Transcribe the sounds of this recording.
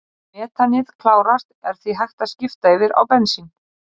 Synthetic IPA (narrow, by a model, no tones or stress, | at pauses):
mɛːt̪ʰanɪðkʰlaːwɾast̪ɛɾ̥θviɦajxt̪ascɪft̪aɪvɪɾa̰wpɛnsin